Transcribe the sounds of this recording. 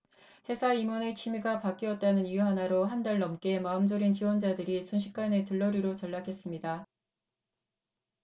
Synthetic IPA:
he̞sʰaimʌne̞t͡ɕʰimiɡapak͈iʌt̚t͈anɯnijuɦanaɾoɦandaɭnʌmk͈e̞maɯmd͡ʑʌɾint͡ɕiwʌnd͡ʑadɯɾisʰunɕʰi̥k͈ane̞tɯɭːʌɾiɾot͡ɕʌɭːakʰe̞s͈ɯmɲida

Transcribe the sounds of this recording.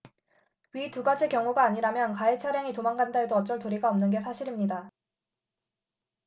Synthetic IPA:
ɥituɡad͡ʑikjʌŋuɡaːɲiɾamjʌnkaet͡ɕʰaɾjaŋitomaŋɡandaedoʌt͡ɕ͈ʌɭtoɾiɡaʌmnɯnɡe̞sʰaɕʰiɾimɲida

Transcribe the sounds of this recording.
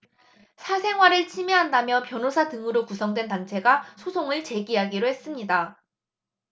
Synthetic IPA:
sʰasʰe̞ŋɦwaɾɯɭt͡ɕʰimeɦandamjʌpjʌnosʰatɯŋɯɾokusʰʌŋdwe̞ntant͡ɕʰe̞ɡasʰosʰoŋɯɭt͡ɕe̞ɡiɦaɡiɾoɦe̞s͈ɯmɲida

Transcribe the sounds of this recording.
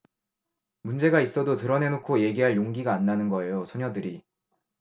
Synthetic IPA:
mund͡ʑe̞ɡais͈ʌdotɯɾʌne̞nokʰoje̞ɡiɦaɭjoŋɡiɡaːnːanɯnɡʌe̞josʰoɲʌdɯɾi

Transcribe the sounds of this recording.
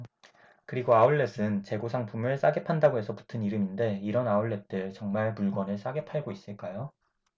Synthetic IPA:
kɯɾiɡoauɭːe̞s͈ɯnt͡ɕe̞ɡosʰaŋpʰumɯɭs͈aɡe̞pʰandaɡoɦe̞sʰʌpu̥tʰɯniɾɯminde̞iɾʌnauɭːe̞t̚t͈ɯɭt͡ɕʌŋmaɭpuɭɡwʌnɯɭs͈aɡe̞pʰaɭɡois͈ɯɭk͈ajo

